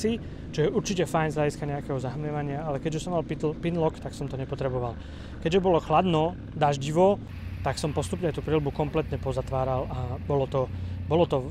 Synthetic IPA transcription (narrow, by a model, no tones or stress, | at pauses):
i | t͡ʃɔjɛʔuɾt͡ʃicɛfajnzlaɟiskaɲɛakɛɦɔzaɦmɲɛʋaɲɪaalɛkɛɟʒɛsɔmːalp̪pinlɔkt̪aksɔmt̪ɔɲɛpɔt̪ɾɛbɔʋal | kɛɟʒɛbɔlɔxlad̪nɔ | d̪aʒɟiʋɔ | t̪aksɔmpɔst̪upɲɛat̪uːpɾɛlbukɔmplɛt̪ɲɛpɔzat̪ʋaːɾalʔabɔlɔt̪ɔbɔlɔt̪ɔ